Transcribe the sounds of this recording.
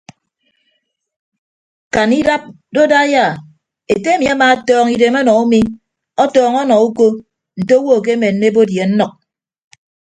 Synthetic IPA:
ka˨ni˦ɾa˦p̚ | do˦da˦ja˦˨ | e˨te˦e˦mi˨a˦maː˨˦tɔː˦ŋi˨de˨mɔ˦nɔ˨u˦mi˦ | ɔ˦tɔː˨ŋɔ˦nɔ˨u˦ko˦ | n̩˨to˦wo˦˨k̬e˦me˨n̩ː˦e˦bo˦dje˨n̩˦nɔ˨k̚

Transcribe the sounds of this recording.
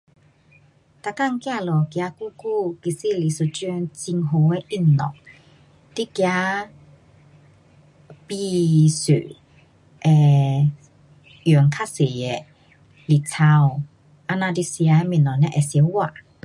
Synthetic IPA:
t̪a˧˨ka˥˨ŋkja˥˧˨lɔ˨kja˧˦ku˦˨ku˥˨ki˧˨se˦˨li˨su˧˨t͡ɕə˧nt͡si˧ŋɦo˧˨ɛ˧˦ʔi˧˩˨nnɔ̰˨ʔ | t̪i˦˨kja˧˦ | pi˧sø̰˨ | ʔɛ˨ | jə˨ŋkʰa˦˥˨se˨ɛ˧˨ | li˨t͡sʰa˧w | ʔa˧nã˧di˧sja˧˦mĩ˧˨nɔ˨nɛ˧ʔɛ˨sjɛ˧˦wa˧˨ʔ

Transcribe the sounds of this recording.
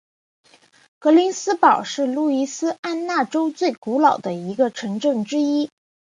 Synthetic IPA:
kɤ˧˥li˧˥nsɹ̩˥pɑ˨˩ʊʂɻ̩˥˧lu˥˩i˧˥˩sɹ̩˥a˥nna˥˩ʈ͡ʂo˥ʊt͡swe˥˩ɪku˧˥lɑ˨˩ʊd̪ə˦i˧˥ɡə˧ʈ͡ʂʰɤ˧˥ŋʈ͡ʂɤ˥˩ŋʈ͡ʂɻ̩˥i˥

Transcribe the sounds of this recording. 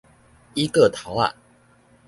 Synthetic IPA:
i˦kə˥˨t̪ʰa˨˦ʊa̰˥˨˩

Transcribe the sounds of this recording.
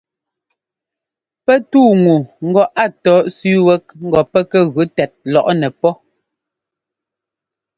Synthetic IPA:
pɛ˦tuː˦˨ŋu˨ŋ̩˦ɡɔ˦ʔa˦˨tɔː˨˦ʔsʉ˦wɛ˦k̚ŋ̩˦ɡɔ˨pɛ˦kɛ˦ɣʉ˨˦tɛ˨t̚lɔ˨ʔnɛ˨pɔ˦

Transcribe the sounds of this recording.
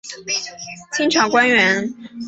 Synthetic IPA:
t͡ɕʰi˥ŋʈ͡ʂʰɑ˧˥ŋkwa˥nɥɛ˧˥n

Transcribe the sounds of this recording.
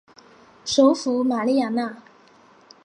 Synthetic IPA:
ʂo˧˥ʊfu˧˥˦ma˨˩li˥˩˨ja˨˩na˥˩

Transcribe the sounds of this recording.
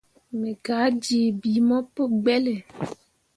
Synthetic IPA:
mẽ˨ɡa˨˦d͡ʒi˨bi˨mɔ̃˦pe˦ɡ͡bɛ˦le˨

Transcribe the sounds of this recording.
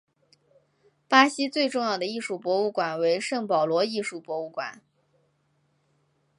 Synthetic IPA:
pa˥ɕi˥t͡swe˥˧ɪʈ͡ʂʊ˥˧ŋjɑ˥˩d̪ə˩i˥˩ʂu˥˩pwɔ˧˥u˥˩kwa˨˩nwe˧˥ɪʂɤ˥˩ŋpɑ˨˩ʊlwɔ˧˥i˥˧ʂu˥˩pwɔ˧˥u˥˩kwa̰˨˩˦n

